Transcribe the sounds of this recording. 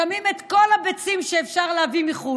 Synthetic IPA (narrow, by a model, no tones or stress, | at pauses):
amimet̪ko̞lhabet͡simʃeːfʃaʁleavimiχu